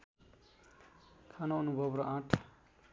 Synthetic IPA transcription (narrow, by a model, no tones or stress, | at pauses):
kʰanoʌnubʱʌbɾʌʔãʈʰ